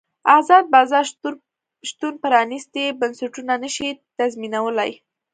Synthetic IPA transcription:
azɑd̪̚bɑzɑɾ | ʃt̪unpəɾɑnist̪ebənsaʈunanəʃit̪azminawəla̰j

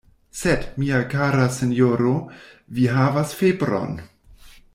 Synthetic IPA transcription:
sedmiakaɾasenjoɾoviɦavasfebɾo̰n

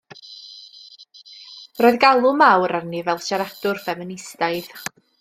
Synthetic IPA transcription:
rɔːɨðɡalˠʊmawɾarnivɛlˠʃaɾatʊrfɛmɪnɪstaɨð

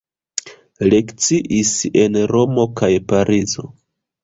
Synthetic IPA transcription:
le̞kt͡siʔise̞nɾo̞mo̞kajpaɾʔizo̞

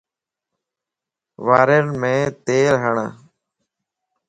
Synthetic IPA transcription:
ʋaːɾeɳmẽːt̪eːɾɦəɳa̰

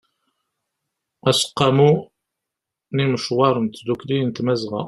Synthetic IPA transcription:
æsə̥qːɑmu | niməʃwɑɾˤənt̪d̪uklijnt̪mæzʁæ̰

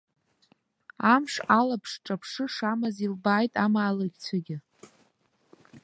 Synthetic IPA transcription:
amʂalapʰʂʈ͡ʂʼapʰʂɨʂamazilbaːjtʼamaːlɨɡʲt͡sʷʰaɡʲɪ

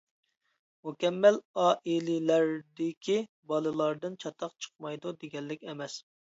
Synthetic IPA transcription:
mukʲɛmːælɑːʔilɪlæɾd̪ɪkʲʰi | bɑlˠɨlˠɑɾd̪ɨnt͡ʃʰɑt̪ʰɑqt͡ʃʰə̥q̚mɑjd̪ud̪eɡʲɛlːɪkʲɛmɛs

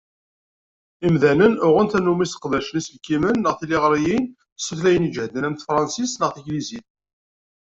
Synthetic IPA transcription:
imðænənʊʁənt̪ænːumisə̥qðæʃlislkimənːəʁθiliʁɾˤijin | səθlæjənid͡ʒhd̪ənæmθfɾˤɑnsisnəʁθiɡliziθ

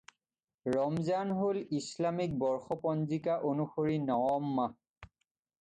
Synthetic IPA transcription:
ɹɔmzanɦolislamik̚bɔɹxɔpɔnzikaʔonuxoɹinɔwɔmːa

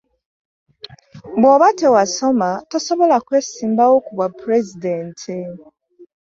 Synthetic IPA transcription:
boβatewasomatosoβolakweːsiːmbawokuβapɾezidentʰe

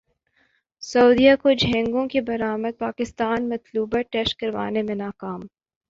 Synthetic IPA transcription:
sɐːd̪ijakod͡ʒʱɛ̃ːŋɡõkebɐɾaːməd̪̚paːkɪst̪aːnmɐt̪luːbaʈɛːʃʈ̚kɐɾʋa̰ːnemẽnaːkaːm

